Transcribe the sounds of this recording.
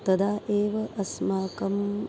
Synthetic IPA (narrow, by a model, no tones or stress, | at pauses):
t̪ɐd̪aːʔeːʋɐʔɐsmaːkɐm